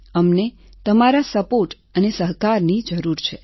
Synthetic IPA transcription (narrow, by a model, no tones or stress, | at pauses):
əmne | t̪əmaɾasəpoʈ | ənesəɦkaɾnid͡ʒəɾuɾt͡ʃʰe